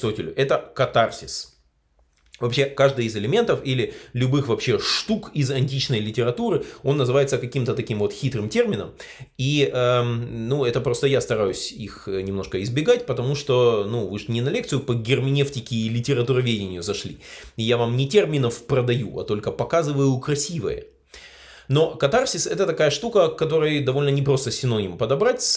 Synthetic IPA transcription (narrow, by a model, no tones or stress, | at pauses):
sotʲɪlʲʊʔɛt̪əkɐt̪arsʲɪs | vɐpɕe̞kaʐd̪ɨjɪzɪlʲɪmʲe̞nt̪əfilʲɪlʲʊbɨxvɐpɕe̞ʂt̪ukɪzɐnʲtʲit͡ɕnəjlʲɪtʲɪɾɐt̪uɾɨo̞nːəzɨvajɪt̪səkɐkʲimt̪ət̪ɐkʲimvo̞t̪xʲit̪ɾɨmtʲe̞rmʲɪnəm | iənuɛt̪əpɾo̞st̪əjast̪ɐɾajʉsʲixnʲɪmno̞ʂkəɪzbʲɪɡatʲpət̪ɐmuʂt̪o̞nuvɨʂnʲɪnɐlʲe̞kt̪sɨjʊpəɡʲɪrmʲɪnʲeftʲɪkʲɪːlʲɪtʲɪɾɐt̪uɾɐvʲedʲɪnʲɪjʊzɐʂlʲḭɪjavamnʲɪtʲe̞rmʲɪnəfprəd̪ɐjuʔɐ̰t̪o̞lʲkəpɐkazɨvəjʊkɾɐsʲivə̰jə̰ | no̞kɐt̪arsʲɪsɛt̪ət̪ɐkajəʂt̪ukəkːɐt̪o̞ɾəjd̪ɐvo̞lʲnənʲɪpɾo̞st̪əsʲɪnonʲɪmpəd̪ɐbɾatʲ